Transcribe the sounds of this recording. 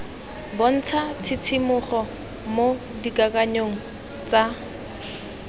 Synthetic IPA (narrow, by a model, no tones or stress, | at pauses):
bon̩t͡sʰat͡sʰɪt͡sʰimʊχɔ | mo | dikʼakʼaɲoŋ̩ | t͡sa